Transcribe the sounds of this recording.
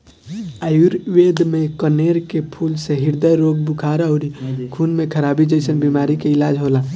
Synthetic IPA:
ajuɾʋed̪mekəneɾkepʰulseɦiɾd̪əjɾoɡbukʰaɾəɦuɾikʰunmekʰəɾabid͡ʒəjsənbimaɾikeilad͡ʒʱɦola

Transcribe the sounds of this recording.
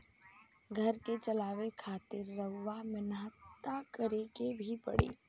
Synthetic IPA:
ɡʱɐɾket͡ʃɐlaːʋekʰaːt̪ɪɾːəɦʊʋamɪnaːt̪ːakəɾekebʱipɐ̰ɽḛː

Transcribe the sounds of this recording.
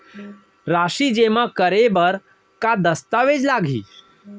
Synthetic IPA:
ɾaːʃid͡ʒemãkəɾebəɾ | kad̪əst̪aʋed͡ʒlaːɡʱḭː

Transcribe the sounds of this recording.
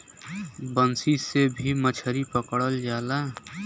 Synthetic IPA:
bənsisebʱimət͡ʃʰəɾipəkɽəld͡ʒaːla

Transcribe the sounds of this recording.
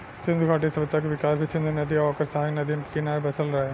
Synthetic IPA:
sɪ̃nd̪ʱuɡʰʱaːʈisɐbət̪ːʃakeʋɪkaːɾbʱisɪ̃nd̪ʱunɐd̪iɔːkəɾsaɦɡnɐd̪inkinaːɾbɐsəlɾɐɦe

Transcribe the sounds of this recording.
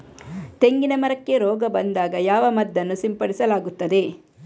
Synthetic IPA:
t̪e̞ŋɡinɐmɐɾɐkːe̞ɾɔːɡɐbɐnd̪aːɡɐjaːʋɐmɐd̪ːɐnːusimpɐɽisɐlaːɡut̪ːɐd̪e̞

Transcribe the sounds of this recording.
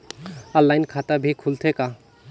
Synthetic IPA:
əlːajnkʰat̪abʱikʰult̪ʰeka

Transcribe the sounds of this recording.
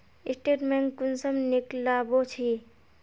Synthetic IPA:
isʈeʈmeŋkunsəmniklabot͡ʃʰi

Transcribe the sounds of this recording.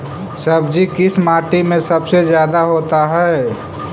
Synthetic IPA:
sɐbd͡ʒikɪsmaːʈimẽsɐbsezjaːd̪aɦoːt̪aɦɛː

